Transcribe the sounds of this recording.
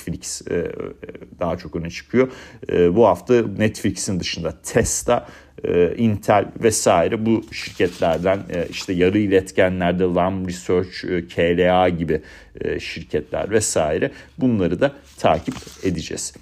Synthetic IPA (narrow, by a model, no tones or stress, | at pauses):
flʲics | d̪aɦat͡ʃʰo̞kø̞nɛt͡ʃʰɯ̥kʰɯjo̞buhaft̪ʰanɛt̪flʲicsind̪ɯʃɯnd̪at̪ʰɛst̪ʰa | int̪ʰælʲvɛsaːiɾɛbuʃiɾcʰɛt̪ʰlʲæɾd̪æniʃt̪ʰɛjaɾɯilʲɛt̪cʰænlʲæɾd̪ɛlˠambɾisøɾt͡ʃːcʰelʲeaɟibɪ | ʃiɾcʰɛt̪ʰlʲæ̰ɾvɛsaːiɾɛbunlˠaɾɯd̪at̪ʰa̰ːcʰiped̪id͡ʒɛ̰z̥